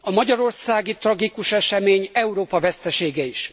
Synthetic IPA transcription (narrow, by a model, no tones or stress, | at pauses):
ɒmɒɟɒɾo̞rsaːɡit̪rɒɡikuʃɛʃɛmeːɲɛuɾoːpɒvɛst̪ɛʃeːɡɛiʃ